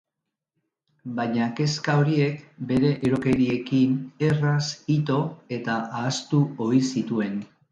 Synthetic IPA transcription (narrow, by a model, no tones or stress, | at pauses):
bajɲake̞skao̞ɾie̞kbe̞ɾe̞ʔeɾo̞ke̞ɾie̞kine̞rasit̪o̞e̞t̪aʔaːst̪uoisit̪ue̞n